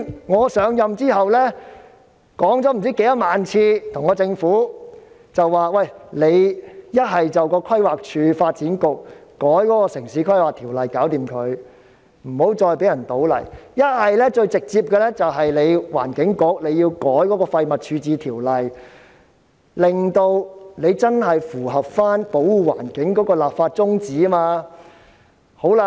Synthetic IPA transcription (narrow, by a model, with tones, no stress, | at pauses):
ŋɔː˨˧sœː˨˧˥ŋjɐ˨mt͡siː˥hɐ˨wlɛː˥ | kɔː˨˥ŋt͡sɔː˨˥m̩˨˩t͡siː˨˥ke˨˧˥jɐ˥t̚maː˨nt͡sʰiː˧t̪ʰʊ˨˩ŋːɔː˨˧t͡sɪ˧ŋfuː˨˥ | t͡sɐ˨wːaː˨wɐ˨jle˨˧jjɐ˥t̚ɦɐ˨jt͡sɐ˨wkɔː˧kʰɐ˥jwaː˨k̚t͡ʃʰyː˨˧faː˧t̚t͡siː˨˥nkʊ˨k̚ːɔː˨˥jkɔː˨˥kɔː˧sɪ˨˩ŋsiː˨˥kʰɐ˥jwaː˨k̚t̪ʰiː˨˩wlɐ˨jkaː˨˥wt̪iː˨mkʰɵ˨˧ɥ | m̩˨˩ho˨˥wt͡sɔː˧jpe˨˥jɐ˨˩nt̪o˨˥wlɐ̰˨˩jjɐ˥t̚hɐ˨jlɛː˥t͡ʃɵ˧ɥt͡sɪ˨k̚t͡siː˧p̚kɛː˧lɛː˥t͡sɐ˨wɦɐ˨jle˨˧jwa̰ː˨˩nkɪ˨˥ŋkʊ˧˥k̚le˨˧ji˧wkɔː˨˥jkɔː˨˥kɔː˧fɐ˧jmɐ˨t̚t͡ʃʰyː˨˧t͡siː˨˧t̪ʰiː˨˩wlɐ˨j | lɪ˨˩ŋt̪o˧wne˨˧jt͡sɐ˥nɦɐ˨jfuː˨˩ɦɐ˨p̚faː˥npo˨˥wuː˨˧wa̰ː˨˩nkɪ˨˥ŋkɔː˨˥kɔː˧laː˨p̚faː˧t̚t͡sʊ˥ŋt͡siː˨˥maː˧ | ho˨˥wla˧